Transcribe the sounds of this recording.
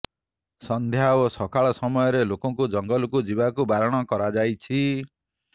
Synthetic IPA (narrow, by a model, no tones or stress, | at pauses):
sɔnd̪ʱjaosɔkaɭɔsɔmɔjɔɾelokɔŋkud͡ʒɔŋɡɔlukud͡ʒibakubaɾɔɽ̃ɔkɔɾad͡ʒajt͡ʃʰi